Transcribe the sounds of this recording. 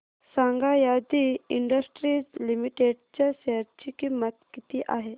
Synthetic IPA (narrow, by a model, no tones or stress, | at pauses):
sãŋɡajad̪iiɳɖəsʈɾiːd͡zlimiʈeɖt͡ɕaseɾ̚t͡ɕikimːət̪kit̪iʔaɦe